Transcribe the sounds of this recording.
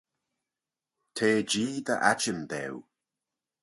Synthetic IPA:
tʰeːd͡ʒiːd̪ə̰ʔat͡ʃənd̪ɛ̰w

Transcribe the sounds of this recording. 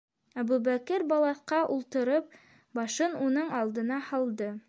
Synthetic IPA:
æbuβækɘɾbɑlˠɑθqɑʔulˠt̪ɤ̆ɾɤp̚ | bɑʃɤnunɤɴɑlˠd̪ɤ̆nɑhɑlˠd̪ɤ

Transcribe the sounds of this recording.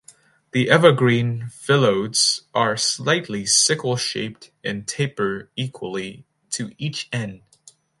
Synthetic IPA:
ðiʔɛvəɡɹĩnfɪlˠoʊdz̥ʔə˞slaɪtˡlisɪkl̩ˠʃḛɪp̚tɨ̃ntʰeɪpə˞ikʰwəlˠi | ɾʰɨit͡ʃɛ̃nd̥

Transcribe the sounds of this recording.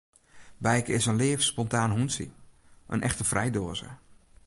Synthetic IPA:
bɛjkɪsənleːfspɔntaːnɦunsḭʔə̰nʔɛxtəfrʔɛjdoːəzə̰

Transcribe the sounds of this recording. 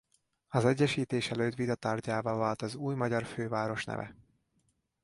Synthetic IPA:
ɒzɛɟːɛʃiːt̪eːʃɛløːt̪ʋid̪ɒt̪aːrɟaːvɒvaːlt̪ɒzuːjmɒɟɒrføːvaːɾo̞ʃnɛ̰vɛ̰

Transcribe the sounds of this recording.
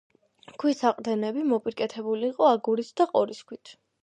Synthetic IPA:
kʰwisaqʼd̪ɛnɛbimɔpʼiɾkʼɛt̪ʰɛbuliːqʼɔaɡuɾit̪ʰd̪aqʼɔɾiskʰwit̪ʰ

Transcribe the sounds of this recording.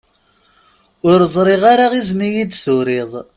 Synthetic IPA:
ʊɾəzˤɾˤɪʁaɾaʁiznijid̪sʊɾɪðˤ

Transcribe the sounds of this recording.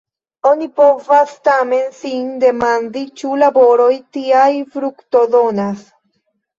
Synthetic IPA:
o̞nipo̞vastame̞nsinde̞mandit͡ʃulabo̞ɾo̞jtiajfɾukto̞do̞nas

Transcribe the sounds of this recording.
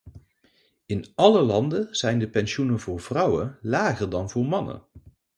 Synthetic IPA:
ɪnɑləlɑndəz̥ɛjndəpɛnʃunəvʊːɹvrʌwəlaːχərdɑnvʊːɹmɑnə̰

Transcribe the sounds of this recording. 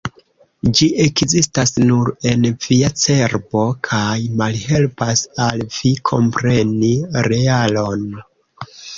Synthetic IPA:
d͡ʒiʔe̞kzistasnuɾe̞nv̥iat͡se̞ɾbo̞kʰajmalhe̞lpasalv̥ikʰo̞̰mpɾe̞niɾe̞alo̞n

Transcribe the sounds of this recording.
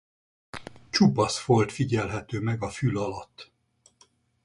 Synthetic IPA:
t͡ʃupɒsfo̞lt̪fiɟɛlɦɛt̪øːmɛɡɒfylɒlɒt̪ː

